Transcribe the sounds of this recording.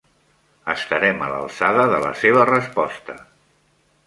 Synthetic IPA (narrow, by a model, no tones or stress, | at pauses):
əst̪əɾɛmələ̰lˠsaðəðələ̰seβərəspɔst̪ə